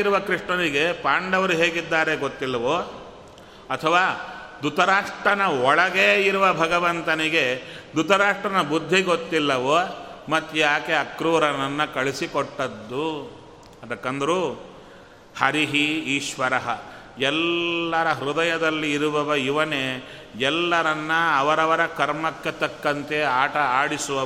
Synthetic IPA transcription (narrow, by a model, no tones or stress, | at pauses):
ɾuʋɐkɾiʂʈɐniɡe̞paːɳɖɐʋɐɾuɦeːɡid̪ːaːɾe̞ɡot̪ːilːɐʋoː | ɐt̪ʰɐʋaːd̪ut̪ɐɾaːʂʈɾɐnɐɔɭɐɡeːiɾuʋɐbʱɐɡɐʋɐnt̪ɐniɡe̞d̪ut̪ɐɾaːʂʈɾɐnɐbud̪ʱːiɡot̪ːilːɐʋoːmɐt̪ːujaːkeɐkɾuːɾɐnɐnːɐkɐɭisikɔʈːɐd̪ːu | ɐd̪ɐkːɐnd̪ɐɾu | hɐɾiɦiiːʃʋɐɾɐɦɐ | ɛlːɐɾɐɦɾud̪ɐjɐd̪ɐlːiːɾuʋɐʋɐjiʋɐne | ɛlːɐɾɐnːɐːʋɐɾɐʋɐɾɐkɐɾmɐkːet̪ɐkːɐnt̪e̞aːʈɐaːɽisuʋɐ